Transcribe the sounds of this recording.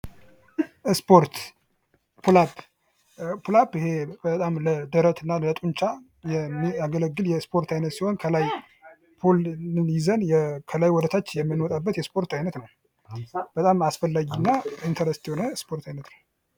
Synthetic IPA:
ʔspʰoɾt̪ | pʰulab | pʰulabɪhe̞bət̪ʼamləd̪əɾət̪ʰɨnːalət̪ʼuɲt͡ʃa | jɛmːiaɡələɡːɨljɛspʰoɾt̪ʰajnət̪sihonkʰəlaj | pʰolɨnjizənjɛkʰəlajwɔd̪ət̪ʰat͡ʃːjɛmːɨnɔt̪ʼabːət̪jɛspo̞ɾt̪ajnət̪nəw | b̥ət̪ʼamasfəlːaɡinːaint̪ʰəɾɛst̪ihonəspʰo̞ɾt̪ʰajnət̪nəw

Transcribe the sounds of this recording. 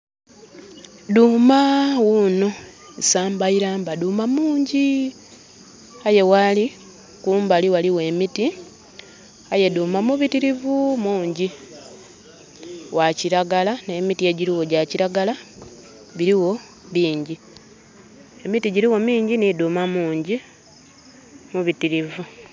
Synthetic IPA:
duːmawunoesaːmbaiɾaːmbaduːmamuːɲɟi | aje̞wali | kuːmbaliwaliwe̞miti | aje̞duːmamuβitiɾivumuːɲɟi | waciɾaɡalanemitie̞ɟiɾiwo̞ɟaciɾaɡala | βiɾiwo̞ | βiːɲɟi | e̞mitiɟiɾiwo̞miːɲɟiniduːmamuːɲɟi | muβitiɾivu

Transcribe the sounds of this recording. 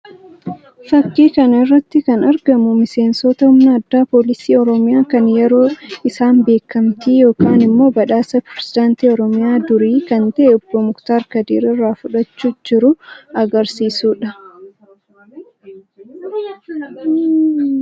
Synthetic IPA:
fɐkːiːkɐnɪrːɐt̪ːɪkɐnɐɾɡɐmʊmɪse̞ːnsɔt̪ɐhʊmnɐɐd̪ːaːpoːlɪsiːɔɾɔmɪjaːkɐnjɛɾo̞ːɪsaːnbe̞ːkːɐmt̪iːjo̞ːkaːnɪmːo̞ːbɐᶑaːsɐpɾɛsɪd̪aːnt̪iːɔɾɔmɪjaːd̪ʊɾiːkɐnt̪ɐʔeɔbːomʊkt̪aːɾkɐd̪ḭːɾɪrːaːfʊᶑɐt͡ʃːuːd͡ʒɪɾʊɐɡɐɾsiːsuːᶑɐ

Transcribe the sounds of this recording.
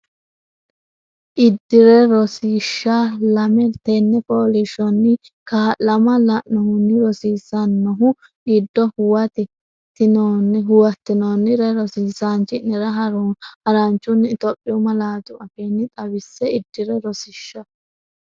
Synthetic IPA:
ʔɪd̪ːɪɾɛɾɔsiːʃːɐlɐmɛt̪ɛnːɛpʼoːlɪʃɔnːɪ | kaːlɐmɐlɐʔɔhʊnːɪɾɔsiːsɐnːɔɦʊ | ɪd̪ːɔhʊwɐt̪ɪ | t̪ːɪnoːnɦʊwɐt̪ːɪnoːnːɪɾɛɾɔsiːsaːnt͡ʃːɪnɪɾɐɦɐɾhɐɾɐnt͡ʃːʊnt̪ɔpʼːɪʊmɐlaːd͡ʒ̪ʊɐfenːɪt̪ʼɐwɪsːɛɪd̪ːɪɾɛɾɔsɪʃːɐ

